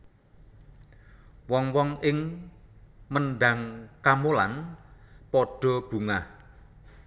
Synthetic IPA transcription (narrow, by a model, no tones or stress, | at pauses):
wɔŋwɔŋɪŋ | mənɖä̤ŋkamolan | pɔɖ̥ɔ̤b̥ṳŋah